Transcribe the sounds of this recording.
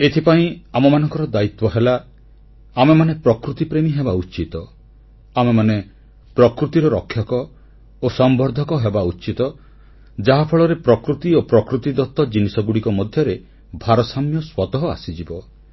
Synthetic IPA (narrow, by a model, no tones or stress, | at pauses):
et̪ʰipaĩamɔmanɔ̃ŋkɔɾɔd̪ait̪wɔɦela | amemanepɾɔkɾut̪ipɾemiɦebaut͡ʃit̪ɔ | amemane | pɾɔkɾut̪iɾɔɾɔkʰjɔkɔ | osɔmbɔɾd̪ʱɔkɔɦebaut͡ʃit̪ɔ | d͡ʒaɦapʰɔɭɔɾepɾɔkɾut̪iopɾɔkɾut̪id̪ɔt̪ːɔd͡ʒinisɔɡuɽikɔmɔd̪ʱjɔɾe | bʱaɾɔsamjɔswɔt̪ɔɦɔa̰sid͡ʒibɔ